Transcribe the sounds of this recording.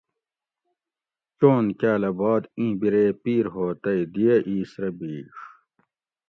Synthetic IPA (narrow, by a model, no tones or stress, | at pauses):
t͡ɕoːnkaːlɐbɑːd̪ĩːbiɾeːpiːɾɦoːt̪ɐid̪ijɐʔiːsɾɐbiːʂ